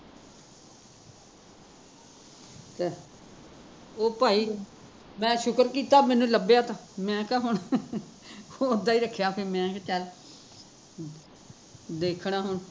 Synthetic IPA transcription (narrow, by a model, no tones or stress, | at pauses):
t̪eː | oːpaːiː | mɛ̃ːʃʊkəɾkiːt̪aːmɛ̃ːnũːləbejaːt̪ãːmɛ̃ːkaːɦʊɳ | oʊd̪aːiːɾəkʰːjaːpʰeɾmɛ̃ːkːt͡ʃəl | d̪eːkʰɳaːɦʊɳ